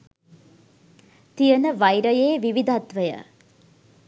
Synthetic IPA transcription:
t̪ijənəʋajɾəjeːʋiʋid̪ʱat̪ʋəjə̰

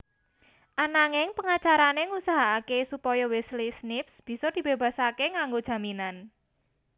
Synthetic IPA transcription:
ʔanaŋɪŋpəŋat͡ʃaɾaneŋusaɦaːkesupɔjɔwɪslisnɪfsb̥i̤sɔd̪̥i̤b̥e̤b̥ä̤sakeŋaŋɡod̥ʒ̥ä̤minan

